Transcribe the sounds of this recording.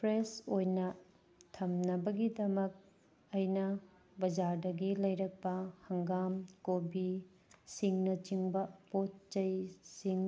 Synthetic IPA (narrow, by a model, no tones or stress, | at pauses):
pʰɾesojnɐ | tʰɐmnɐbɐɡidɐmɐk̚ | ɐjnɐ | bɐd͡ʒaɾdɐɡilɐjɾɐk̚pɐhɐŋɡamkobi | siŋnɐt͡ʃiŋbɐpot̚t͡ʃɐjsiŋ